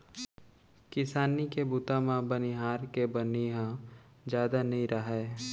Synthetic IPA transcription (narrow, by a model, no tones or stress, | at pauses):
kɪsaːnikebut̪ãmãbɐniɦaːɾkebɐniɦã | d͡ʒjaːd̪anɐĩɾʔəɦe